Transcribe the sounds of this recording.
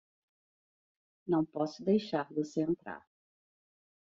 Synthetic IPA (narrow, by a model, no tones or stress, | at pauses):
nɐ̃w̃pɔsʊd̪ejʃaɾvoseẽnt̪ɾa̰ɾ